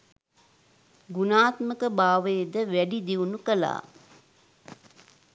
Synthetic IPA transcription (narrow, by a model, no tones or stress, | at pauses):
ɡunaːt̪məkəbaːʋejd̪əʋæɖid̪iunukəla̰ː